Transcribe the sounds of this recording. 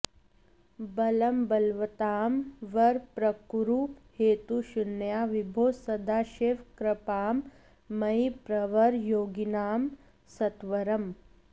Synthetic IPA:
bɐlɐmbɐlʋɐt̪aːmʋɐɾpɾɐkɾuːpheːt̪uʃunjaːʋibʱoːsɐd̪ʱaːʃeːʋkɾɐpaːmː | ɐjipɾɐʋɐɾjoːɡinaːm | sɐt̪ʋɐɾɐm

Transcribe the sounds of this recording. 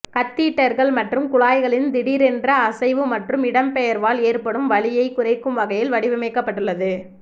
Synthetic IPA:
kɐt̪ːiːʈːɐɾɣɐɭmɐʈrɯmkʊɭaːjɣɐɭɪnd̪ɪɽiːɾɛndrɐːsɐɪʋɯmɐʈrɯmɪɽɐmpɛjɐɾʋaːleːrpɐɽɯmʋɐɭɪjɐɪkːʊrɐɪkːɯmʋɐɣɐjɪlʋɐɽɪʋɐmɐɪkːɐpːɐʈːɯɭːɐðɯ

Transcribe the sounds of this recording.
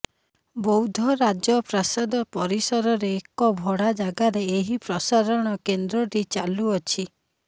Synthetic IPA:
bɔwd̪ʱɔɾad͡ʒjɔpɾasad̪ɔpɔɾisɔɾɔɾeːkɔbʱɔɽad͡ʒaɡaɾeeɦipɾɔsaɾɔɽ̃ɔkend̪ɾɔɾit͡ʃaluɔt͡ʃʰi

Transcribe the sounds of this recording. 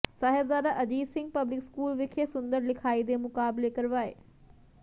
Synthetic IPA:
saːɦɪbzaːd̪aʔɐd͡ʑiːsɪ̃ŋɡ̚pɐblɪkskuːlʋɪkʰesʊ̃nd̪əɾlɪkʰaːid̪emʊkaːblekɐɾʋaːɦḛː

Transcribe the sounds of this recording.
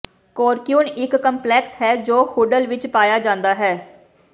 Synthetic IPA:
koːɾkjuːnɪkːəmplɛːkshɛːd͡ʒoːhuːɖəlʋɪt͡ʃpaːjaːd͡ʒãːnd̪aːɦɛː

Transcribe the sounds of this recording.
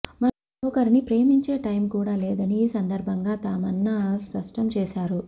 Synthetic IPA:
mɐ | ɔkɐɾinipɾeːmiɲt͡ʃeːʈɐjmkuːɽaːleːd̪ɐniːsɐnd̪ɐɾbʱɐŋɡaːt̪aːmɐnːaspɐʂʈɐmt͡ʃɛːʃaːɾu

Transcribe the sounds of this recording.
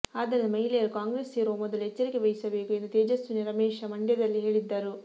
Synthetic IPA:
aːd̪ɐnnimɐɦilɐjɐɾukaːŋɡɾeːsiːɾoːmɔd̪ɐluet͡ʃːɐɾikiʋejsɐʋeːkuend̪ut̪eːd͡ʒɐsuniɾɐmeːʂɐmɐɳɖjɐd̪ɐlːiɦe̞ːɭid̪ːaːɾu

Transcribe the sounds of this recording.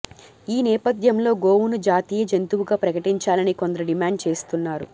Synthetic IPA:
iːnɛːpɐd̪ʱjɐmlo̞ːɡo̞ːwunud͡ʒaːt̪iːjɐd͡ʒent̪uwuɡaːpɾɐkɐʈiɲt͡ʃaːlɐniko̞nd̪ɐɾɐɖimaːɳɖt͡ʃe̞ːst̪unːaːɾu

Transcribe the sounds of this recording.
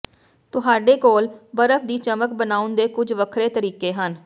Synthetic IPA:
t̪ʊɦaːɖeːkoːlbəɾəfʰd̪iːt͡ʃəmək̚bənaːʊnd̪eːkʊd͡ʒʋəkʰɾeːt̪əɾiːkeːɦən

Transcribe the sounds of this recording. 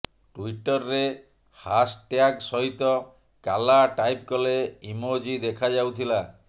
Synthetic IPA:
ʈuiʈɔɾːe | hasʈjaksɔɦit̪ɔ | kalaʈajp̚kɔleimod͡ʒid̪ekʰad͡ʒawt̪ʰila

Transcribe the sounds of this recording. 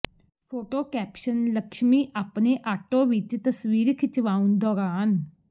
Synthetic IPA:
pʰoːʈoːkɛːpʃənləkʃmiːʔaːpneːʔaːʈõːʋɪt͡ʃt̪əsʋiːɾkʰɪt͡ʃʋaːund̪ɔːɾaːn

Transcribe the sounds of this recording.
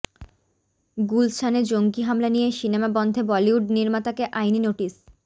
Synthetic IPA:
ɡulsʰaned͡ʑoŋɡiɦamlanijeʃinemabɔnd̪ʱebɔliuɖ̚niɾmat̪akeʔajninoʈis

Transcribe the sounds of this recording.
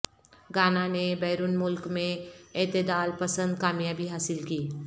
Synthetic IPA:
ɡaːnanebɛːɾʊnmʊlkmẽɪːt̪ɪd̪aːlpɐsə̃nd̪̚kaːmjaːbʱiɦaːsɪlkiː

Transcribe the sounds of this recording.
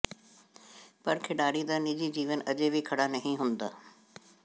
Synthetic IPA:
pɐɾkʰeːɗaːɽĩd̪aːnid͡ʑid͡ʑiːʋənɐd͡ʑebʱikʰɐɽanɐɦĩɦʊ̃ːnd̪a̰ː

